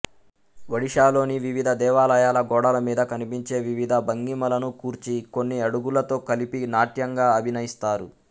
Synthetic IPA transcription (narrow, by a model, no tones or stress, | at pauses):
ʋɐɽiʂaːlo̞ːniʋiʋid̪ʱɐd̪ɛːʋaːlɐjaːlɐɡɔːɽɐlɐmiːd̪ɐkɐnipiɲt͡ʃe̞ːʋiʋid̪ʱɐbɐŋɡimɐlɐnukuːɾt͡ʃiko̞nːiɐɽuɡulɐt̪o̞ːkɐlipinaːʈjɐŋɡaːɐbʱinɐjist̪aːɾu